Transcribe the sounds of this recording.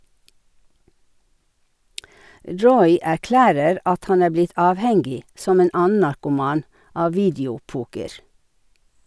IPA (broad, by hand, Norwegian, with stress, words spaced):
ˈɹɔʏ æˈklæːɾəɾ ˈɑt ˈhɑn ˈæː ˈblɪt ˈɑːʋˌhɛŋɡɪ ˈsɔm ˈeːn ˈɑːən̩ nɑɾkʊˈmɑːn ˈɑː ˈʋiːdɪʊˌpuːkəɹ